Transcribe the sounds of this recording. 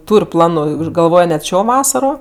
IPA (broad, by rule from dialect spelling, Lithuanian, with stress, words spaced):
ˈtuːrʲ ˈplˠɑːnʊ ɪ ʊʃ ɡɐlˠˈʋoːj nʲɛt ˈʃʲoː ˈʋɑːsɐroː